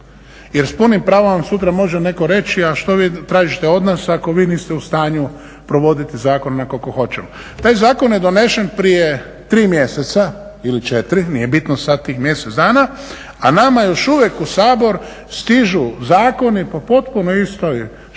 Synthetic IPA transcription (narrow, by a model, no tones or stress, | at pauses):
jeɾspunimpɾaːʋomsut̪ɾamo̞ʒene̞ko̞ɾe̞t͡ʃiaʃt̪o̞ʋiːt̪ɾaːʒit̪eo̞d̪nasako̞ʋiːniːst̪ɛust̪aːɲu | pɾo̞ʋo̞d̪it̪izaːkonnakokoxo̞t͡ʃemo | t̪aːjzaːko̞njed̪o̞ne̞ʃenpɾije | t̪ɾiːmje̞set̪sa | ilit͡ʃet̪ɾinije̞bit̪nosad̪t̪ːiːxmje̞set̪zd̪aːna | anamajo̞ʃuʋjekusaːbo̞ɾ | st̪iʒuzaːko̞nipo̞po̞t̪punoist̪oj